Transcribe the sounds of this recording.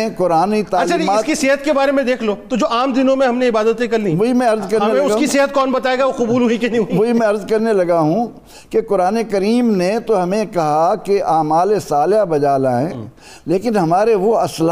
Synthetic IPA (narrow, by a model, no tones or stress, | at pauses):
kʊɾaːnit̪aɐt͡ʃʃʰaaɪːskisɪːɦət̪kebaːɾemẽd̪eːkʰloːt̪od͡ʒoːʔaːmd̪ɪnõmẽɦɐmneɪbaːd̪ət̪ẽkɐɾlĩʋoimɛ̃ɐɾzkɐɾɐemẽʊskiseɦət̪̚kɔːnbɐt̪aːeːɡaʋoqʊbuːlɦʊikenĩɦʊioɦimɛ̃ɐɾzkɐɾnelɐɡaɦũ | kekʊɾaːnekɐɾiːmnet̪oɦɐmẽkɐɦakeʔaːmaːlesaːlɦabɐd͡ʒaːlaɦɛ̃ː | leːkɪnɦɐmaːɾeʋoɐsl